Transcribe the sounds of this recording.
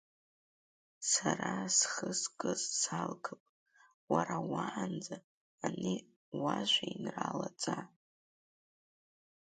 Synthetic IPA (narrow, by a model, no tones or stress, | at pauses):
sarasχəskʼɨzsalkʰɨpʼ | waɾawaand͡zaː | ni | waʒʷainralat͡sʼa